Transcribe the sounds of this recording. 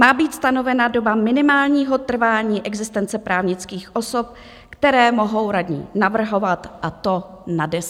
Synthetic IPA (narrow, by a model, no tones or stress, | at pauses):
maːbiːt̪st̪ano̞vɛnado̞bamɪnɪmaːlɲiːɦo̞t̪r̩vaːɲiːʔɛɡzɪst̪ɛnt͡sɛpɾaːvɲɪt͡skiːxʔo̞so̞p̚ | kt̪ɛɾɛːmo̞ɦo̞wɾadɲḭːnavr̩ɦo̞vat̪ʔat̪o̞ | nadɛs